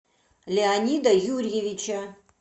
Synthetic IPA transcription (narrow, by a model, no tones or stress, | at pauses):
lʲeanʲid̪ɐjurjevit͡ʃʰɐ